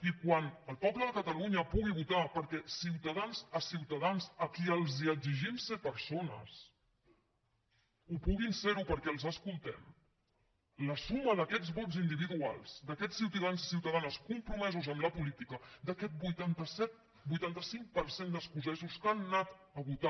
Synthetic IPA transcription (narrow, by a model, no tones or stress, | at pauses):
ikwanəlˠpɔpləðəkət̪əluɲəpuɣ̞iβut̪apəɾkɛsiwt̪əðanzəsiwt̪əðanzəkiəlˠziəɡziʒimset̪̚pəɾsonə̰s | upuɣinseɾupəɾkɛəlˠzəskulˠt̪ɛm | ləsuməðəkɛd͡zβɔt̪zind̪iβ̞iðua̰lˠz̥d̪əkɛssiwt̪ðanzsiwt̪əðanəskumpɾumɛzuzəmləpulit̪ikəd̪əkɛt̪̚bujt̪ant̪əsɛt̪̚ | bujt̪ant̪əsiŋ̚pəɾsend̪əskuzɛzuskanːat̪ | əβut̪a